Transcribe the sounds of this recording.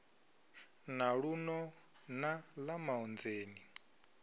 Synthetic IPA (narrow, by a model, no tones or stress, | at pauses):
naɺunɔ | nalamaɔnd͡zeːni